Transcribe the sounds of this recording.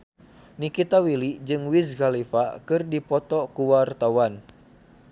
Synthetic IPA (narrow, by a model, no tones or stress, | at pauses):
nikit̪awilid͡ʒɨŋwisɡalifakɨrdipɔt̪ɔkuwart̪awan